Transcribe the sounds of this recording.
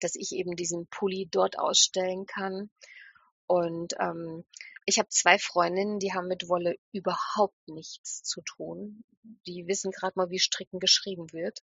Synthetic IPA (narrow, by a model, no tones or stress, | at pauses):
d̥asɪçʔḛːbm̩diːzn̩pʰʊlidɔɐtʔa̰ʊsʃtɛlənkʰan | ʔʊntʔɛ̰ːmʔɪçhaːbət͡sv̥aɪfʁ̥ɔʏndɪnəndiːɦaːbm̩mːɪtv̥ɔləʔyːbɐhaʊp̚tnɪçt͡st͡sutʰuːn | d̥iːvɪsn̩ɡʁaːtmaːlviːʃtʁ̥ɪkŋ̩ɡəʃʁ̥iːbm̩vɪɐt